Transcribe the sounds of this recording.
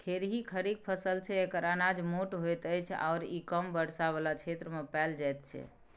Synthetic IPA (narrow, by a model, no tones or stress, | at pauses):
k̪ʰeɾɦikʰəɾik̚pʰəsəlt͡ʃʰɛekəɾanad͡ʒmoʈɦojt̪əjt͡ʃʰa̰ːɾikəmbəɽ̤sabelat͡ʃʰet̪ɾəmepɛld͡ʒajt̪̚t͡ʃʰɛ̰